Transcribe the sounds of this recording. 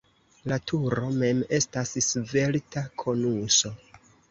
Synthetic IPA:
latʰuɾo̞me̞me̞stassve̞ltakʰo̞nuso̞

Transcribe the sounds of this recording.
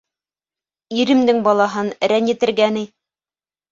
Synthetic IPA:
iɾɘ̆md̪ɘŋbɑlˠɑɦɤnɾænjɘ̆t̪ɘ̆ɾɡæni

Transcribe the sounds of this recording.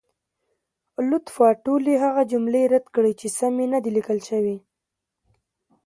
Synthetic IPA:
lʊt̪fɑʈuleɦaɣad͡ʒʊmleɾad̪kɽəjt͡ʃesamenad̪ilikəlʃəwi

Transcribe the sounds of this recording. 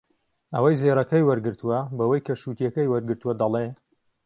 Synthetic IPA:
ɐwɐjzeːɾɐkɐjwɐɾɡɨɾt̪ʰuwɐbɐwɐjkʰɐʃuːt̪jɐkɐjwɐɾɡɨɾt̪uwɐd̪ɐle

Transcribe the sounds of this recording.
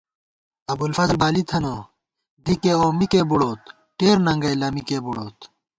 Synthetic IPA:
ɐbulfɐzlbaːlit̪ʰɐno | d̪ikeoːmikebuɽoːt̪ | ʈeːɾnɐŋɡɐjlɐmikebuɽoːt̪

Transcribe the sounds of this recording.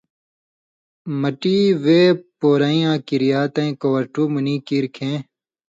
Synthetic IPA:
mɐʈiːʋeːpoːɾaĩːãːkiɾijaːt̪ɐĩkowɐɾʈuːmuniːkiːɾkʰẽː

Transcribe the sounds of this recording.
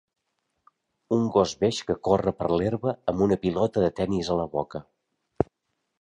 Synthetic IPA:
uŋɡɔzβeʃkəkorəpərleɾβəəmbunəpilɔt̪əðət̪ɛnizələβɔkə

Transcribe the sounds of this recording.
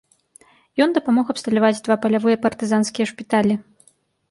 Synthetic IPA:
jɔnd̪ɐpamɔɣɐpst̪ɐlʲavad͡zʲd̪vapɐlʲavɨjɐpɐrt̪ɨzanskʲijɛʂpʲit̪alʲi

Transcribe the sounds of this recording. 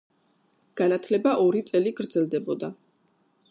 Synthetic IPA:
ɡ̥anat̪ʰlɛbaʔɔɾit̪sʼɛliɡɾd̪zɛlˠd̪ɛbɔd̪a

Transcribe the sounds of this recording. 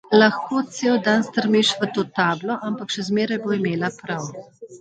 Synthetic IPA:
lɐxkoːt̪seːwd̪anst̪əɾmiʃʋət̪oːt̪aːblɔʔampakʃɛzmeːɾajboːimeːlapɾaw

